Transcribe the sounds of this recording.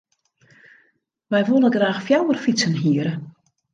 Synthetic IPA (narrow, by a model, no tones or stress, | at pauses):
ʋɛjʋolˠəɡraːxfjawərfisənɦiəɾə